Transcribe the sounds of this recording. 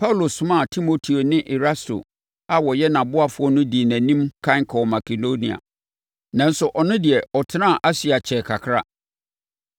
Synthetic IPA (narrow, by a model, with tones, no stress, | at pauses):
pʰa˦u˨lo˨sʊ̃˦mã˦˨tʰi˦mo˦tʰi˨o˨nɪ̃˦ʔɛ˨ɾa˦sto̰˨ | a˨wɔ˨jɛ˦nã˨bʊ˦a˨fʊ˦ɔ˦nʊ̃˦di˨e˨næ̃˨nĩ˦mkʰã˦ŋ˦kʰɔ˨ma˨kʰe˨do˦nĩ˨a̰˨ | nã˨n̩˦sʊ˨ʔɔ˨nʊ̃˦dɪ˨ɛ˨ɔ˨tʰɪ˦nã˦˨ʔa˦si˨a˨t͡ɕʰɛ˨kʰa˨kʰɾa̰˦